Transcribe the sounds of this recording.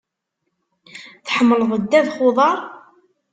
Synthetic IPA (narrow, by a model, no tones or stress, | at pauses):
θħəmːləðˤəd̪ːæðχʊðˤɑɾˤ